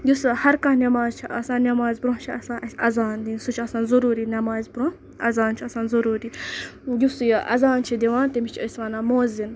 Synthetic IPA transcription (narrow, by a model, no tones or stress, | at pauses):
ɡʲushɐɾkɐɦnɐmaːzt͡ʃʰiʔɐsãːnnʲɐmaːzbɾõt͡ʃʰiɐsãːnʔɐsɐzaːnd̪insut͡ʃʰiɐsãːnzɐɾuːɾinʲɐmaːzbɾõ | ɐzaːnt͡ʃʰiɐsãːnzɐɾuːɾijʲusjʔɐ̰zaːnt͡ʃʰid̪iʋaːnt̪emit͡ʃʰəsʋaːnaːmoːzin